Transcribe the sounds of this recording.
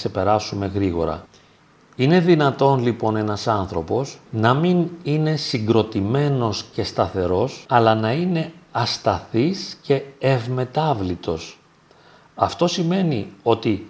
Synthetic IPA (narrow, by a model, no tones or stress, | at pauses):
se̞pe̞ɾɐsume̞ɣɾiɣo̞̰ɾɐ̰ | ine̞ðinɐt̪o̞nlipo̞ne̞nɐsɐnθɾo̞po̞snɐminine̞siŋɡɾo̞t̪ime̞no̞sce̞st̪ɐθe̞ɾo̞sɐlɐnɐine̞ɐst̪ɐθisce̞ːvme̞t̪ɐvlit̪o̞s | ɐft̪o̞sime̞nio̞t̪i